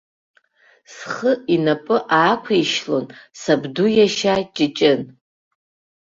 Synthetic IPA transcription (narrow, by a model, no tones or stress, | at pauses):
sχəinapʼɨʔaːkʷʰaiʃlo̞nsabdujaʃat͡ʃʼɪt͡ʃʼɪn